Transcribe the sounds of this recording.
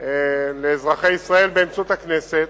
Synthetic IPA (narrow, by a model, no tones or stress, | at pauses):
eleːzʁaχeisʁae̞lbeemt͡sut̪akneset̪